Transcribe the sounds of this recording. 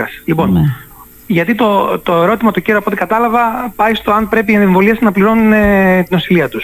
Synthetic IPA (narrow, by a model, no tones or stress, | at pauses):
ɐslipo̞n | ʝɐt̪it̪o̞t̪o̞e̞ɾo̞t̪imɐt̪oceɾoɐpot̪ikɐt̪ɐlɐvɐpɐjst̪o̞ɐnpɾe̞piɐneɱvo̞liɐsnɐpliɾo̞nunet̪ino̞siliɐt̪us